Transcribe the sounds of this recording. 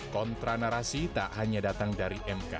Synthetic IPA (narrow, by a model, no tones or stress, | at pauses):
kɔnt̪ɾanaɾasit̪aʔhaɲadat̪aŋdaɾiʔɛmka̰